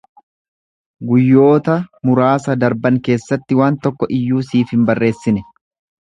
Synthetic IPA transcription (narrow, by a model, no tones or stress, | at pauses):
ɡʊjːo̞ːt̪ɐmʊɾaːsɐd̪ɐɾbɐŋke̞ːsːɐt̪ːɪwaːnt̪ɔkːɔʔɪjːuːsiːfhɪmbɐrːe̞ːsːɪnɛ